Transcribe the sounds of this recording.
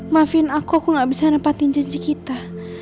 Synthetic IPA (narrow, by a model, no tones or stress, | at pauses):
mafinakuakuŋɡaʔbisanapat̪iɲd͡ʒəɲd͡ʒikit̪a